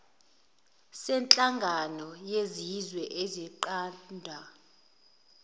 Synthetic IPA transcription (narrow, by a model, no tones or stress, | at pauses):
sɛnt͡ɬʼaŋɡʱanɔjezizwɛʔɛzɛǃaːndʱa